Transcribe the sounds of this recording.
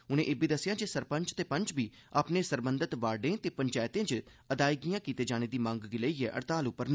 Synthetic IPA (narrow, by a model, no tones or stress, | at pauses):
ʊnẽːʔebiːd̪əsːɪjãːd͡ʒesəɾpəɲt͡ʃt̪eːpəɲt͡ʃbiː | aːpneːsəɾbənd̪ət̪ʋaːɖẽːt̪eːpəɲt͡ʃaːjt̪ẽːd͡ʒ | əd̪aːiɡijãːkiːt̪eːd͡ʒaːɽ̃eːd̪iːmãŋɡɡɪləiːɛːʔə̰ɾt̪aːlʊpːəɾn